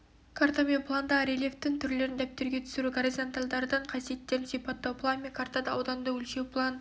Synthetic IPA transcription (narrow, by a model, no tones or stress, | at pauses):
kʰaɾt̪amenplˠand̪ɑɾelʲeft̪ːɪŋt̪ʰʏɾle̞ɾɪnd̪æp̚t̪ːeɾɡʲe̞t̪ʰʏ̥sɪɾuɡoɾizont̪alˠd̪ɑɾd̪ɑɴqʰɑsijet̪ːeɾnsijpɑt̪ːɑpʰlˠanmekʰart̪ad̪ɑɑwd̪ɑnd̪əwɵlʃepʰlˠɑn